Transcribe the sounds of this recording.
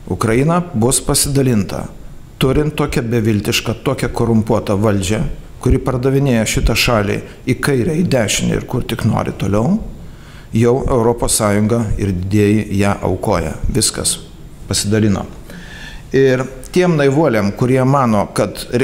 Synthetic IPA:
ʊkɾɐjinɐbʊspɐsʲɪd̪ɐlʲɪnt̪ɐ̰ | t̪ʊɾʲɪnt̪t̪ːoːkʲɛbʲɛʋʲɪlʲt̪ʲɪʃkɐt̪oːkʲɛkoːɾʊmpuɔt̪ɐʋɐlʲd͡ʒʲɛ | kʊɾʲɪpɐrd̪ɐʋʲɪnʲeːjɛʃʲɪt̪ɐʃɑːlʲḭ | ikɐɪɾʲɛɪd̪ʲæːʃʲɪnʲɪ̰ɪ̰ɾkʊrt̪ʲɪkno̰ːɾʲɪ̰t̪oːlʲɛʊ | jɛʊʔɛʊɾoːpoːssɑːjʊŋɡɐɪɾd̪ʲɪd̪ʲeːjɪjæːʔɐ̰ʊkoːjɛ̰ʋʲɪskɐ̰s | pɐsʲɪd̪ɐlʲɪːno̰ | ɪr | t̪ʲiɛmnɐɪʋuɔlʲeːmkʊɾʲiɛmɑːnoːkɐt̪ʲ

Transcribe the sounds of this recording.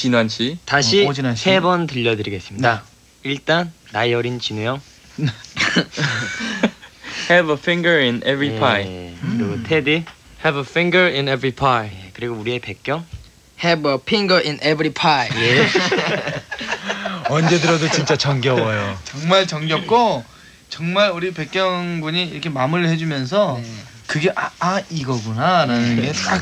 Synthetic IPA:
t͡ɕinwanɕʰitaɕʰiasʰe̞bʌntɯʎːʌdɯɾiɡe̞s͈ɯmɲida | iɭt͈anːaʌɾint͡ɕinujʌŋ | hɛvəfɪ̃ŋɡə˞inɛvɹipʰajkɯɾiɡotʰedi | hɛbəfĩŋɡə˞inevɾipʰajekɯɾiɡouɾie̞pe̞k̚k͈jʌŋ | hɛbʌpʰiŋɡəʔinʔebɾipʰajje | ʌnd͡ʑe̞dɯɾʌdot͡ɕint͡ɕ͈at͡ɕʌŋɡjʌwʌjot͡ɕʌŋmaɭt͡ɕʌŋɡjʌp̚k͈o | t͡ɕʌŋmaɾuɾipe̞k̚k͈jʌŋbuɲiːɾʌkʰe̞mamuɾɯɭhe̞d͡ʑumjʌns̬ʰʌ | kɯɡe̞ʔaaiɡʌɡunaɾanɯnɡe̞ta

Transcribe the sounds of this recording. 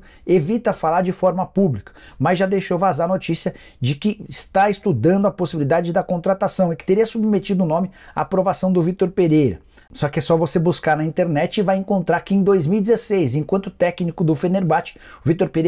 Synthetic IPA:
evit̪ɐfalaɾd͡ʒɪfɔɾmɐpublikɐ̥mɐzʒad̪ejʃowvazaɾɐnot͡ʃisiɐ | d͡ʒɪkɪɪst̪aest̪ud̪ɐ̃nd̪ʊɐposibilid̪ad͡ʒɪd̪ɐkõnt̪ɾat̪asɐ̃w̃ɛkɪt̪eɾiɐsubmet͡ʃid̪ʊʊnõmɪa̰ːpɾovasɐ̃w̃d̪ʊvit̪oɾpeɾejɾɐ̰ | sɔkɪɛsɔvosebuskaɾnɐĩnt̪eɾnɛt͡ʃɪvajẽkõnt̪ɾaɾkɪẽd̪ojzmiwid͡ʒ̪ɪzesejzẽkwɐ̃nt̪ʊt̪ɛknikʊd̪ʊfeneɾbat͡ʃɪ̥ | ʊvit̪oɾpeɾe

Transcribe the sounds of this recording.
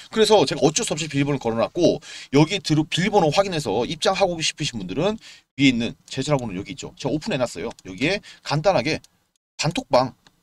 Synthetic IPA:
kɯɾe̞sʰʌt͡ɕe̞ɡaʌt͡ɕ͈os͈ʰʌpɕ͈ipiʎbonɯɭkʌɾʌnat̚k͈ojʌɡietɯɾopiʎbonoɸwaɡinɦe̞sʰʌip̚t͡ɕ͈aŋɦaɡoɡɕʰi̥pʰɯɕʰinbundɯɾɯn | ɥieinːɯnt͡ɕe̞d͡ʑʰʌɾabonɯnjʌɡiːt̚t͡ɕ͈o̰t͡ɕe̞ɡaopʰune̞nas͈ʌ̰jojʌɡie̞kandanɦaɡe̞ | pantʰok̚p͈aŋ

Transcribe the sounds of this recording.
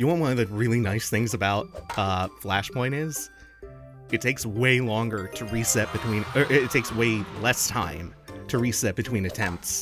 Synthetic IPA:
jɨwɑ̃n̚wʌ̃nʌvðɨɹɪlˠinaɪsθɪ̃ŋzɨbaʊt̚ʌflæʃpʰɔ̃ɪ̃ɾ̃ɪz̥ | ɨtʰeɪksweɪlɔ̃ŋɡə˞ɾɨɹisɛt̚b̥ɨtʰw̥ĩnə˞ʔɨtʰeɪksweɪlɛstʰã̰ɪ̃mtʰɨɹisɛt̚b̥ɨtʰw̥ĩnɨtʰɛ̃mp̚ts

